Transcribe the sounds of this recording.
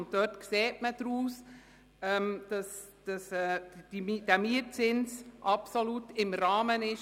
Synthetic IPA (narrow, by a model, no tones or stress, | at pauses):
nt̚dœtkseːtməd̥ɾuːs | ɛmd̥ɑs | d̥ɑsɛ̥idæmiət͡sɪnsʔɑpsoluːtɪmɾɑːmənɪʃ